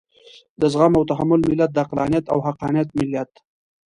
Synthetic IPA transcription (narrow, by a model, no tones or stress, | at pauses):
d̪əzɣamawt̪aɦamʊlmɪlːat̪̚d̪ɑqlɑːnijat̪a̰whaqɑːnijat̪mɪljat̪